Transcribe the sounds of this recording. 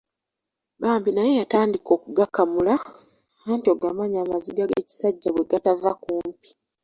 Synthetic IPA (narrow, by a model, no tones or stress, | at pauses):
baːmbinaje̞jataːndiko̞ːkuɡakːamula | antio̞ɡamaɲaːmaziɡaɡḛːci̥saɟːaβwe̞ɡatavakuːmpi̥